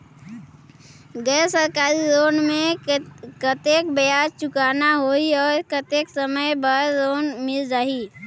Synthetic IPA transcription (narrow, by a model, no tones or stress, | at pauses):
ɡɛːsəɾkaːɾizoːnmẽ | kət̪eːkbejaːd͡ʒt͡ʃʊkaːnaɦoiɔːɾkət̪eːksəməjbaɾzoːnmɪld͡ʒaːiː